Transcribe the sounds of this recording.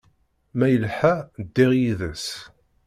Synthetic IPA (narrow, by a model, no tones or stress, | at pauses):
mæjəlħæd̪ːiʁjiðəs